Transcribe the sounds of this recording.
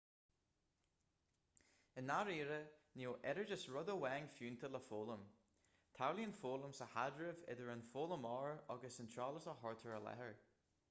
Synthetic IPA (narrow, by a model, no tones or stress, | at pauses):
ɪnaɹiːɹənioːʔɛɾəɹd͡ʒəsɹʊd̪əwɛŋfjʉːnt̪ʰələfoːlˠəm | t̪ʰawliənfoːlˠəmsəhadɹɪvɪ̰d̪əɹənfoːlˠəmɔɹɔɡəsənt̪ʰɹaːlˠəsəɦɔɹt̪ʰəɹəlɛ̰həɹ